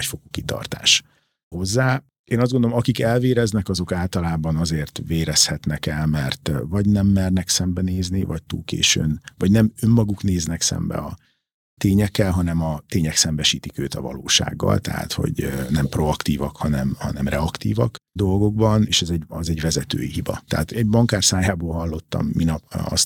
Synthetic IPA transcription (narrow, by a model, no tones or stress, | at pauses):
cfokukit̪ɒ̰rt̪a̰ːʃ | ho̞zːaː | eːnɒzdɡond̪olomɒkikɛlveːɾɛznɛkɒzo̞kaːlt̪ɒlaːbɒnɒzeːrt̪veːɾɛshɛt̪nɛkɛlmɛrt̪vɒɟnɛmːɛrnɛksɛmbɛneːznivɒc̚t̪ṵːlkḛːʃønvɒɟnɛmø̞mːɒɡukneːznɛksɛ̰mbɛ̰ɒ | t̪eːɲɛkːɛlɦɒnɛmɒt̪eːɲɛksɛmbɛʃiːt̪ikøːt̪ɒvɒ̰lo̰ːʃa̰ːɡːɒ̰lt̪ɛ̰ɦa̰t̪ho̞̰ɟnɛmpro̞ɒkt̪iːvɒkhɒnɛmhɒnɛmrɛɒkt̪ḭːvɒkd̪o̞lɡo̞ɡ̚bɒneːʃɛzɛɟɒzɛɟvɛzɛt̪ø̰ːjiɦibɒ̰t̪ɛaːt̪ɛɟbɒŋkaːrsaːjaːboːlɦɒlːo̞t̪ːɒ̰mːinɒpɒ̰st̪